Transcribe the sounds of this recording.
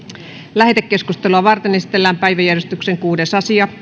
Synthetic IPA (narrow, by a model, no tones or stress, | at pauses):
læhet̪ekːe̞skust̪eluɑʋɑrt̪enesi̥t̪elːæːmpæiʋæjærjest̪ykseŋkuːdesɑsiɑ